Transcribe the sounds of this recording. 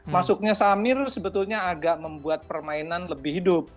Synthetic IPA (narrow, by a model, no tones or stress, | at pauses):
masʊk̚ɲasamɪrsəbət̪ʊlɲaːɡaʔməmbuat̪̚pərmainanləbɪhidʊp̚